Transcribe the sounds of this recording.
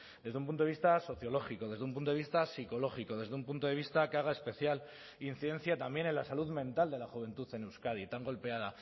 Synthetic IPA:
d̪ezðumpunoist̪aso̞θjo̞lo̞xiko̞ðe̞zðumpunt̪oist̪asiko̞lo̞xiko̞ðe̞zðump̬unt̪o̞ð̞e̞β̞ist̪akeaɣ̞ae̞spe̞θjal | in̟θiðe̞nθjat̪ambje̞ne̞nlasaluðmẽ̞nt̪ald̪e̞laxuβ̞e̞nt̪uθe̞newskaðit̪aŋɡo̞lpe̞að̞a

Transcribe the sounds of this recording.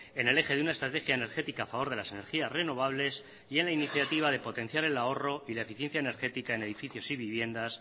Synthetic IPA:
e̞ne̞le̞xe̞ðeunaest̪ɾat̪e̞xjaene̞ɾxe̞t̪ikaːfaβo̞ɾðe̞lase̞ne̞ɾxiasre̞no̞β̞aβle̞s | ie̞nlainiθjat̪iβ̞að̞e̞po̞t̪ẽ̞n̟θjaɾe̞lao̞ro̞ilae̞fiθje̞nθjaene̞ɾxe̞t̪ikae̞ne̞ðifiθjo̞siβiβje̞nd̪as

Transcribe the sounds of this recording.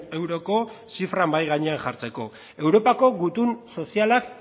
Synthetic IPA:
e̞wɾo̞ko̞siframbajɣaɲe̞anxʝaɾt͡se̞ko̞̰ | e̞wɾo̞pako̞ɣut̪unso̞sialak

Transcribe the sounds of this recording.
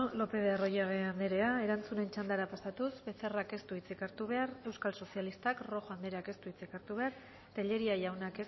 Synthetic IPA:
lo̞pe̞ðearo̞jaɣeand̪eɾe̞ae̞ɾant͡sune̞nt͡ʃand̪aɾapast̪at̪usbe̞se̞rake̞st̪uit͡sikaɾt̪uβ̞e̞aɾe̞wskalso̞sialist̪akro̞xoand̪e̞ɾeake̞st̪uit͡sikaɾt̪uβe̞aɾ | t̪eʎe̞ɾiajawnakes

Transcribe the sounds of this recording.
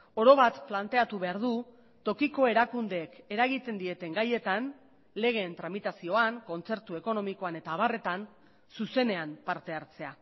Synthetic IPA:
o̞ɾo̞βat̪plant̪e̞at̪uβe̞aɾðu | t̪o̞kiko̞e̞ɾakund̪e̞ːke̞ɾaɣit̪e̞nd̪ie̞t̪e̞ŋɡaje̞t̪an | le̞ɣ̞e̞ːnt̪ɾamit̪asio̞aŋko̞nt͡se̞ɾt̪ue̞ko̞no̞miko̞ane̞t̪aːβare̞t̪an | suse̞ne̞ampaɾt̪e̞aɾt͡se̞a

